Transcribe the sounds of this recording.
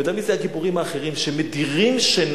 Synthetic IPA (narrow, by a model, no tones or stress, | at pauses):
d̪amizeakipuʁimhaːχe̞ʁimʃe̞mediʁimʃen